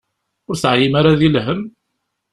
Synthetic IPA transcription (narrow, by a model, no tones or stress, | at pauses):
ʊɾθʕjimaɾaðilɦəm